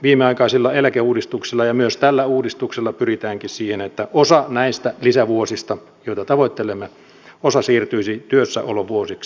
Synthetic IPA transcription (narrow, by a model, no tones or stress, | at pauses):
ʋiːmeɑikɑisilːɑelækeuːdist̪uksilːɑjɑmyøst̪ælːæuːdist̪ukselːɑpyrit̪æːŋkissiːhenet̪ːæʔosɑnæist̪ælisæʋuosist̪ɑ | joˑit̪ɑt̪ɑʋoit̪ːelemːe | osɑsiːrt̪yisit̪yøsːæ̰ʔoloʋuosiks